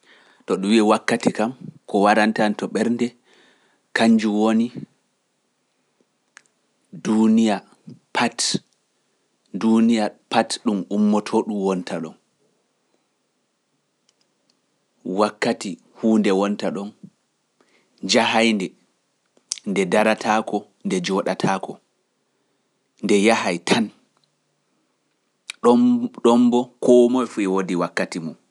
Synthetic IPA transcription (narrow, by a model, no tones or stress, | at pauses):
tɔɗumwiɛwakːatikamkɔwaɾantantɔɓɛɾndɛ | kaɲd͡ʒuwoni | dunija | pʰat | dunijapatɗumumːɔtʰoɗumwɔntʰaɗɔn | wakːati | huːndɛwɔntaɗɔn | d͡ʒaɦajndɛ | ndɛdaɾatʰakɔ | ndɛd͡ʒɔɗatʰakɔ | ndɛjahajtʰan | ɗɔɗɔmbɔkʰɔmɔjfuɛwodiwakːatimɔm